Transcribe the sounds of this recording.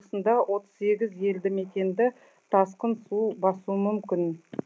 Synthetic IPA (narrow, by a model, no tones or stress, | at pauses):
sənd̪ɑwʔo̞t̪ə̥z̥se̞ɡʲɪzje̞ld̪ɪme̞t̪ʲe̞nd̪ɪ | t̪ʰɑsqənsubɑsuəmʏmkʲɪn